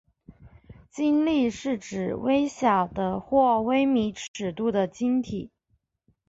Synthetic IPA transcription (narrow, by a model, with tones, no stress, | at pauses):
t͡ɕi˥nli˥˧ʂɻ̩˥˩ʈ͡ʂɻ̩˨˩we˥ɪɕjɑ˨˩ʊd̪ə˦xwɔ˥˩we˥ɪmi˧˥ʈ͡ʂʰɻ̩˨˩t̪u˥˩d̪ə˩t͡ɕi˥nt̪ʰi˨˩˦